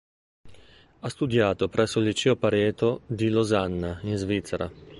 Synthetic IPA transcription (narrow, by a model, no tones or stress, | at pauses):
ast̪ud̪jaːt̪opɾʔɛsːoilːit͡ʃɛːopaɾɛːt̪od̪ilozanːainzvit̪sːeɾʔa̰